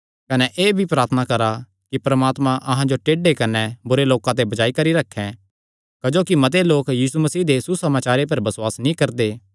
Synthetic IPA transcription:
kɐnɛʔeːbʱipɾaːɾt̪ʰənakɐɾa | kipɾɐmaːt̪mãʔɐɦãd͡ʒoʈeːɖekɐnɛbʊɾeloːkãt̪̬ebɐd͡ʒaːikɐɾiɾɐkʰːɛ̃ | kɐd͡ʒoːkimɐt̪̬eloːkjiːsumɐsiːd̪esusɐmaːt͡ʃaːɾepɐɾbɐswaːsnĩkɐɾd̪eː

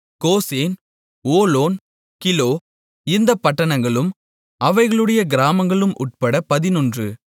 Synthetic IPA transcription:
koːseːn | oːloːn | kɪloː | ɪnd̪ɐpːɐʈːɐɳɐŋɡɐɭɯm | ɐʋɐɪɣɐɭɯɽɐjɐɡɪɾaːmɐŋɡɐɭɯmʔʊʈ̚pɐɽɐpɐðɪnɔndrɯ

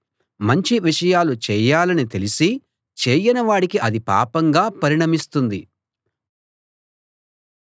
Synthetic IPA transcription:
mɐɲt͡ʃiʋiʂɐjaːlut͡ʃɛːjaːlɐnit̪elisi | t͡ʃeːjɐnɐʋaːɽikiʔɐd̪ipa̰ːpɐŋɡaːpɐɾiɳɐmist̪und̪i

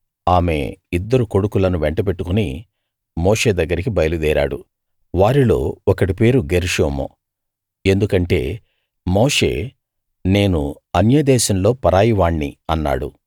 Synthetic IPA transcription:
aːme̞̰id̪ːɐɾuko̞ɽukulɐnuʋeɳʈɐp̬e̞ʈːukuni | mo̞ːʂe̞ːd̪ɐɡːɐɾikibɐjɐlud̪ɛːɾa̰ːɽṵ | ʋaːɾilo̞̰ːɔkɐɽipe̞ːɾuɡeɾiʂoːmo̰ | e̞nd̪ukɐɳʈe̞̰ː | mo̞ːʂe̞̰ː | ne̞ːnu | ɐnjɐd̪ɛːʃɐmlo̞ːpɐɾaːjiʋaːɳːiɐnːa̰ːɽṵ

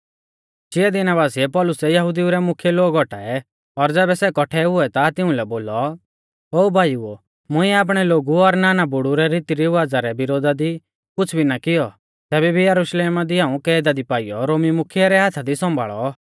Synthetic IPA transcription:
t͡ʃɪɛd̪ɪnaβaːsiɛpɔlʊsɛjɐɦʊd̪iuɾɛmʊkʰjɛloːɡɔʈa̰ːɛ | ɔɾd͡zɛːbɛsɛkɔʈʰɛɦʊɛt̪at̪ɪʊ̃lɛboːlɔ | oːbʱaːjuo | mʊ̃ĩaːp̬ɽ̃ɛloːɡuɔɾnaːnabʊɽuɾɛɾit̪iɾiʋaːd͡zaɾɛbɪɾoːd̪ad̪i | kʊt͡sʰbʱinakɪjɔ | t̪ɛːbɛbʱijɐɾʊʃleːmad̪iaːũkɛːd̪ad̪ipaːijɔɾoːmimʊkʰijaɾɛɦat̪ʰad̪isɔ̃mbʱa̰ːɭɔ

